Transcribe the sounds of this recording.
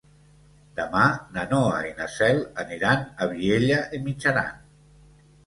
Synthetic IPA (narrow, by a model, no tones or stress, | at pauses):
d̪̥əmananɔa̰inasɛlaniɾanaβieʎaʔimit͡ʃaɾa̰n